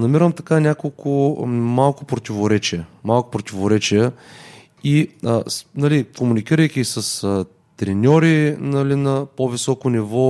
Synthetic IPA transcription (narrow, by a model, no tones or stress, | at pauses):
nɐmiɾəmt̪ɐkanʲakolˠkʊmalˠkʊpɾot̪ʲivoɾɛt͡ʃijəmalˠkʊ̥pɾot̪ʲivoɾɛt͡ʃijə | isnɐlikomunik̟iɾəjkʲiːsəsə | t̪ɾɛnʲɔɾinɐlinɐpovisɔkʊnivɔ